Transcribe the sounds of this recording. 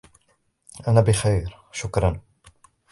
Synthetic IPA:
ʔænæbɪxejɾ | ʃʊkɾˤɑn

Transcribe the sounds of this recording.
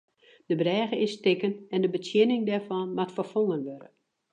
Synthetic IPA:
d̥əbrɛːɣəɪstɪkənɛndəbətjɪnɪŋdɛrvɔnmatfɔfoŋənʋøɾə

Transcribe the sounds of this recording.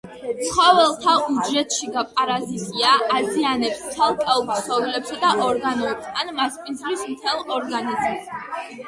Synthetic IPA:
t̪sχɔvɛlˠt̪ʰaud͡ʒɛt̪ʰʼʃiɡapʼaɾazit̪ʼiaʔːzianɛpst̪ʰalˠkʼɛɔpsʰχɔɡlɛpsad̪aʔɔɾɡanɔɛpst̪ʰanmaspʼind̪zlismt̪ʰɛlˠɔɾɡanizms

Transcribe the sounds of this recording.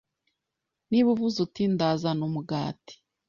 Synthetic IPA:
niβuvuzutindazanomuɡaːti̥

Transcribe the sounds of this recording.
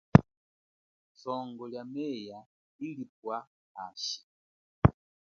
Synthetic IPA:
sɔŋɡɔljamɛja | ilip̚wa | haːʃi̥

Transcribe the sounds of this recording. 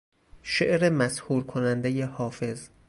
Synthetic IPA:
ʃeʔɾemæshuːɾkʰonænd̪ejehɒːfe̞z

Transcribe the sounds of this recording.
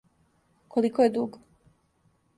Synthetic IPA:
kʰolikojed̪uɡ

